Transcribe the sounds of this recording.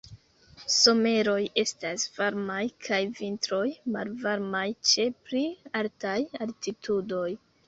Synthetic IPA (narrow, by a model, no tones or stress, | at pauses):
so̞me̞ɾo̞je̞stasv̥aɾmajkʰajvintɾo̞jma̰lvaɾmajt͡ʃe̞pɾialtajaltitʰudo̞j